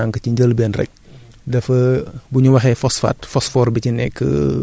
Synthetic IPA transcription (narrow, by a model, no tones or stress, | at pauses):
aŋkəciɲɟəlbɛːnrɛ̰c̚ | dɐfɐbuɲuwɐxɛfɔsfa̰ːtfɔsfɔːɾbicinɛkʰːə̰